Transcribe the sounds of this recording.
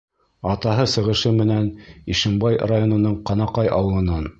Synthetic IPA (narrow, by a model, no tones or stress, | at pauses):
ɑt̪ɑɦɤsɤ̆ʁɤ̆ʃɘmɘ̆næniʃɘ̆mbɑjrajonɤ̆nɤɴqɑnɑqɑjʔɑ̰wɤ̆lˠɤ̆nɑn